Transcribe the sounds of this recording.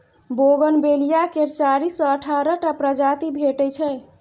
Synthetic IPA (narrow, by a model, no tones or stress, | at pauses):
boɡənbelijakeɾt͡ʃaɾisɔ̃əʈʰaɾəʈapɾəd͡ʒat̪ibʱeʈəjt͡ʃʰɛ